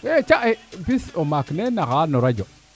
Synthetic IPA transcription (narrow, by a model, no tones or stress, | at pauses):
ɛt͡ʃaʔɛpisomaknɛnaɣanɔɾad͡ʒɔ